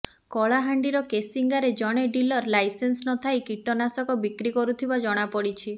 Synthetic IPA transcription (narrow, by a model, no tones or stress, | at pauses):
kɔɭaɦaɳɖiɾɔkesiŋɡaɾed͡ʒɔɽ̃eɖilɔɾlajsensnɔt̪ʰajkiʈɔnasɔkɔbikɾikɔɾut̪ʰibad͡ʒɔɽ̃apɔɽit͡ʃʰi